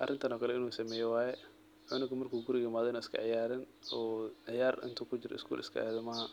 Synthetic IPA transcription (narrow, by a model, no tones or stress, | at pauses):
ʔɐrɪnt̪ʰɐnɔːkʰɐlɛɪnuːsɐmɛːjɛwaːjɛ | ʕʊnɪɡʊmɐrkʰuːɡʊɾɪjɪmaːðɔɪnuːɪskʰɐ̰ʕɪjaːɾɪn | ɔːʕɪjaːrɪ̰nt̪ʰuːkʰʊd͡ʒɪɾɔ̰ɪ̰skʰṵːlʔɪ̰skʰɐ̰ʔɛ̰ːðɐmɐɦɐ